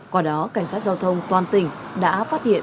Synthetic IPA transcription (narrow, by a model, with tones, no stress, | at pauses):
kwaː˧˩ɗɔ˨˦ka˧˩jŋ̟saː˦˥t̚zaː˧wt̪ʰə˧wŋ͡mt̪waː˨˩nt̪ï˨˩ŋ̟ɗa̰ː˧˥fa˦˥t̚hḭ˧˨ə